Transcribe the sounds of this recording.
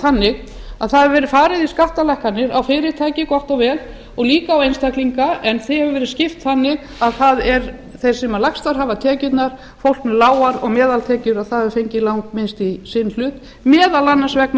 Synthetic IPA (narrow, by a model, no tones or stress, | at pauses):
θanːɪɣ | aðθaðɛvvɛːɾɪfaːɾɪðiskaht̪alɛhkanːɪɾawfɪːɾɪɾ̥t̪ʰaːjcɪkɔht̪ɔɣvɛːl | ɔɣliːkaːwejnst̪ʰajhkliŋkaʔɛnθɪhɛvʏvɛːɾɪscɪft̪θanːɪɣ | aðθaðɛɾ | θejɾ̥sɛmalakst̪aɾɦaːvat̪ʰɛːcʏt̪naɾ̥ | fowl̥knɛlaːwaɾɔɣmɛːðalt̪ʰɛːcʏɾaðθaðɛvɾfejɲcɪlawŋkmɪnst̪isɪnl̥ʏt̪ | mɛːðalanːansvɛkn